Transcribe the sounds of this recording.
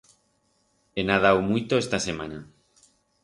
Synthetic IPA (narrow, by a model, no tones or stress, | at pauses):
enaðawmujt̪oest̪ase̞ma̰na